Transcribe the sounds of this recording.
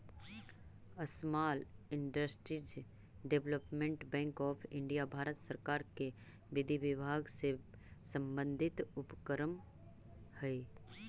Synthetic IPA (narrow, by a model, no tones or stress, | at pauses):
əsmaːlɪɳɖəsʈɾid͡ʒ | ɖeʋləpmẽɳʈbɛ̃ːŋkɔːpʰɪ̃ɳɖijabʱaːɾət̪səɾkaːɾke | ʋɪd̪ʱiʋɪbʱaːɡse | sə̃mbə̃nd̪ʱɪt̪ʊpkəɾəm | hɛ